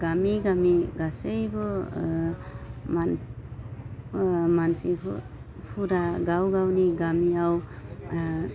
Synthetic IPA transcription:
ɡamiɡamiɡasejbɔ | man | mansḭ | pʰuɾaɡawɡawniɡamiaw

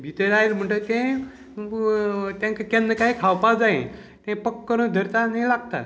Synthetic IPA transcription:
bʱit̪əɾailm̤əɳʈət̪ẽ | t̪jãŋkakẽnəkaɦikʰawpad͡zaẽ | t̪ẽpəkːəɾũd̪ʱəɾt̪anaĩlaɡ̚t̪a̰

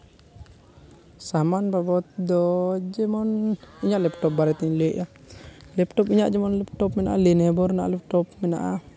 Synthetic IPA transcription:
samanbabɔt̪̚d̪ɔd͡ʒɛmɔniɲaʔlɛpʈɔp̚baɾɛt̪iɲleʔʔa | lɛpʈɔpiɲaʔd͡ʒɛmɔnlɛp̚tɔpmɛnaʔa̰lenɛbɔɾnaʔlɛp̚ʈɔpmɛna̰ʔa

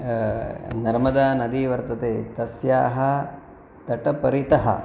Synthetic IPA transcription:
nɐɾmɐd̪aːnɐd̪iʋɐɾt̪ɐt̪eːt̪ɐsjaːɦɐ | t̪ɐʈɐpɐɾit̪ɐɦɐ̰

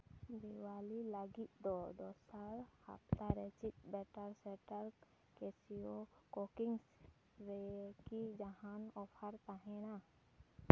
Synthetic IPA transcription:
b̪iwalilaɡit̪̚d̪ɔd̪ɔsaɾha̰p̚t̪aɾɛt͡ʃit̪̚bɛʈaɾsɛʈaɾ | kɛsijɔkɔkiŋs | ɾɛkid͡ʒaɦanɔpʰaɾt̪aɦɛ̃na

